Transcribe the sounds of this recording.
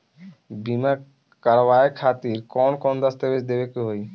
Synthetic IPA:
bima | kaɾwaekʰat̪iɾkɔnkɔnd̪ast̪ebeʃd̪ebekuɦoj

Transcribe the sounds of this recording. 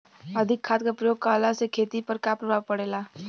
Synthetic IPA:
əd̪ʱɪkʰːaːt̪̚kapɾəjoːɡ̚kaːlasekʰeːt̪ipəɾkapɾəbʱaːʋpəɽeːlaː

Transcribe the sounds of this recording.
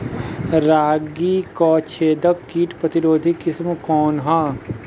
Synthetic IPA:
ɾaːɡiːkɔːt͡ʃʰeːd̪əkːiːʈpɾɐt̪ɪɾoːd̪ʱikɪsmkɔːnɦãː

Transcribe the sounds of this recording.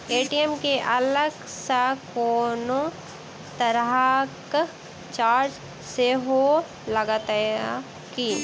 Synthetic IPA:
eːʈiemkeʔɐləɡ | sakoːnõ | t̪əɾak | t͡ʃaːɾd͡ʒ | seɦo | ləɡat̪a | ki

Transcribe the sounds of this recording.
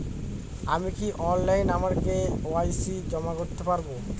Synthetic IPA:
amikiʔɔnlajnamaɾkeoajsid͡ʑɔmakoɾt̪epaɾbo

